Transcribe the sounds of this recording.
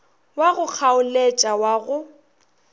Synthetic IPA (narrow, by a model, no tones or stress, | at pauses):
waɣʊk͡xʰaʊlet͡ʃʼawaɣʊ